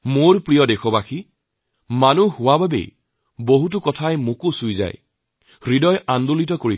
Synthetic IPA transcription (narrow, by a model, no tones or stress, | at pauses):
moɹpɹijɔdexɔbaxi | manuɦʊwababḛj | boɦut̬ʊkɔtʰajmʊkʊsujza̰j | ɹidɔjʔandolit̬ɔkoɹi